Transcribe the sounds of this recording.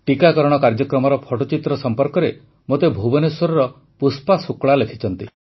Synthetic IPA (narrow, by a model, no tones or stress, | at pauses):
ʈikakɔɾɔɽ̃ɔkaɾd͡ʒɔkɾɔmɔɾɔpʰɔʈɔt͡ʃit̪ɾɔsɔmpɔɾkɔɾe | mot̪ebʱubɔnesɔɾɔɾɔ | puspasukɭalekʰit͡ʃɔnt̪i